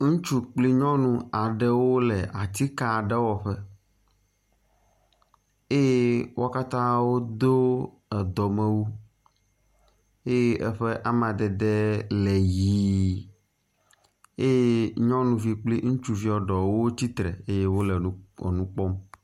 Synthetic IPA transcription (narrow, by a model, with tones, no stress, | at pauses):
ŋũ˦t͡ʃu˦k͡pli˦ɲɔ̃˦nũ˦a˨ɖɛ˦wo˦lɛ˨ʔa˨t̪i˦ka˨ɖɛ˦wɔ˨ɸɛ˦ | e˦je˦wʔo˦ka˦t̪ã˦wo˦d̪o˦ | ɛ˨d̪ɔ˨mɛ˦wu˦ | e˦je˦ʔɛ˦ɸe˦ʔa˦m˨ã˨d̪ɛ˨d̪ɛ˦lɛ˨ji˨ | e˦je˦ɲɔ̃˦nũ˨vi˨k͡pli˦ŋũ˦t͡ʃu˨vi˦ɔ˨ɖɔ˨wo˦t͡ɕi˦t̪ɾɛ̰˨e˦je˦wo˦lɛ˨˦ɔ̰˨nũ˦k͡pɔ˦m